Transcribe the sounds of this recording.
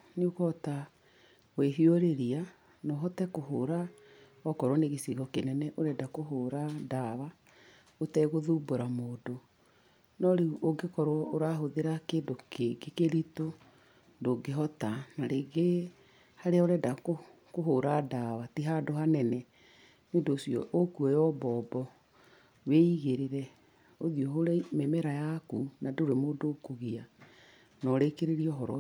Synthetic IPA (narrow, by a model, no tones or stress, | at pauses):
neokɔta | weɦiɔɾeɾia | nɔɦɔtɛkoɦoɾa | ɔkɔɾwɔneɣesiɣɔkenɛnɛʔoɾɛdakoɦoɾadaβa | otɛiɣoðuːboɾamoːdo | nɔɾeoɡekɔɾwɔoɾaɦoðeɾakeːndokeɡekeɾito | ndoɡeɦɔtanaɾeɡe | haɾeaoɾɛdako | koɦoɾadawatiɦadoɦanɛnɛ | nendoːsiɔ̰ʔokuɔjɔbɔːbɔ | weiɣeɾeɾɛ | oðiɔɦoɾememɛɾajakunadoɾemoːdokoɣia | nɔɾekeɾeɾiɔɦɔɾɔ